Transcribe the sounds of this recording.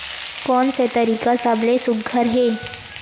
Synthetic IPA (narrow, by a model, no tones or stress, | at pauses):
kɔːnset̪əɾiːkasablesʊɡʱəɾɦeː